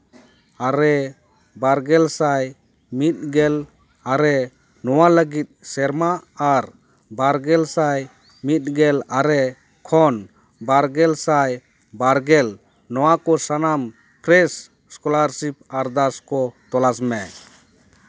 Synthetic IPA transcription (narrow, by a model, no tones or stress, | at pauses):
aɾɛ | baɾɡɛlsaj | mit̪̚ɡɛl | aɾɛ | nɔwaləɡit̪̚sɛɾmaːɾ | baɾɡɛlsaj | mit̪̚ˀɡɛlaɾɛ | kʰɔn | baɾɡɛlsaj | baɾɡɛl | nɔwakɔsanam | pʰɾɛs | skɔlaɾsip̚aɾd̪askɔt̪ɔlasmɛ